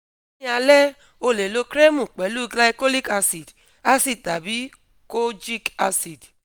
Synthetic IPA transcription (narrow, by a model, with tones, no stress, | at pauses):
a˧lɛ˦ | o˧le˨lo˧kɾe˦mu˨k͡pɛ˨˦lu˦ɡla˧jko˦li˦ka˧si˨d | a˦si˦d̚ta˨bi˦ | ko˦d͡ʒi˦ka˧si˨d